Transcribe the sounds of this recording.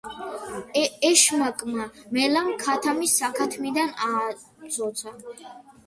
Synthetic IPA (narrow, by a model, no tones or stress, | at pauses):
ɛʃmakʼmamɛlamkʰat̪ʰamisːakʰat̪ʰmid̪ana | zʰʼɔt̪sʰa